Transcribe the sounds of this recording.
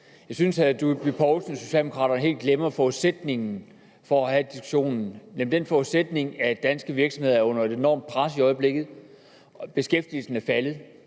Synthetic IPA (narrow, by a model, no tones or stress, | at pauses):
jɑ̈ɪsynsæd̥ub̥ipʰɒʊlsn̩so̝ɕɛ̰ldemoʁɑ̰̈ːɾ̥ɐnəɦe̝̰ːldɡ̥lemɐfɒuðˠsed̥ne̝ŋn̩ | fɒ̽æhæd̥isɡ̥u̥ɕo̝̰ːnn̩nem̩d̥enfɒuðˠsed̥ne̝ŋæd̥ænsɡ̥əʋiɐɡ̥sɒ̽mhe̝ðˠɐɔ̽n̰ɐe̝de̝nɒ̰ːmd̥̚pʰʁasiɒ̽ɪb̥le̝ɡ̥ð̞̩ˠ | b̥e̝sɡ̥efd̥il̩sn̩æɐfælð̩ˠ